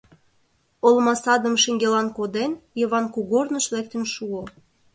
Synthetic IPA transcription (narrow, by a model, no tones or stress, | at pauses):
olmɑsɑd̪ə̆mʃiŋɡelɑnkod̪enjɤ̆βɑnkuɣornəʃlek̚t̪ə̆nʃuo